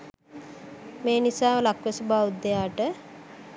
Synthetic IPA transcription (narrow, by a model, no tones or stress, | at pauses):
meːnisaːʋəlakʋəsəbaːud̪ːejaːʈə